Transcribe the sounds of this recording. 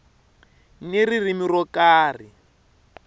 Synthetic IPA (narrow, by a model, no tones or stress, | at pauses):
niririmirɔkaːri